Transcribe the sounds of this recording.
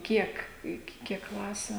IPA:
ˈkʲiɛk ɪkʲɪ ˈkʲiɛk ˈklˠɑːsʲʊ

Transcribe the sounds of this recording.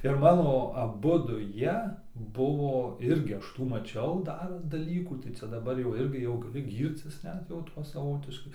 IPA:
ɪr ˈmɑːnoː ɐˈbʊdʊ ˈjiɛ ˈbʊʋoː ˈɪrʲɡʲɪ ˈɐʃ ˈtuː mɐˈt͡ʃʲɛʊ ˈdɐr dɐˈlʲiːkuː tɐɪ ˈt͡sʲɛ dɐˈbɐr jɛʊ ˈɪrʲɡʲɪ jɛʊ ɡɐˈlʲɪ ˈɡʲiːrʲt͡sʲɪs ˈnʲɛt jɛʊ ˈtuɔ sɐˈʋoːtʲɪʃkɐɪ

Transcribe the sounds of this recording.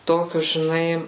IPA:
ˈtoːkʲʊs ʒʲɪˈnɐɪ

